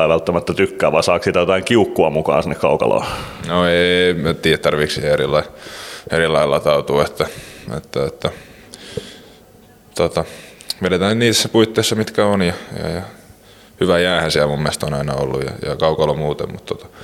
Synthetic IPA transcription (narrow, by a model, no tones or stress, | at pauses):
ɑiʋælt̪ːæmæt̪ːæt̪ykːæːʋɑisɑːksit̪æjot̪ɑiŋkiukːuɑmukɑ̰ːnsinːekkɑukɑ̰lo̰ːnoeit̪iːjæt̪t̪ɑrʋiksiheerilːɑierilːɑilːɑt̪ɑut̪uːet̪ːæḛt̪ːæet̪ːæ | t̪ot̪ɑʋeɾet̪æːnniːt̪esːæpuit̪ːeisːɑmit̪kæonjɑjɑ̰jɑ | hyʋæjæːhænsiælmumːest̪onɑinɑo̰lːṵjjɑ̰jɑ̰kɑukɑlomuːt̪ḛmmut̪t̪ot̪ɑ̥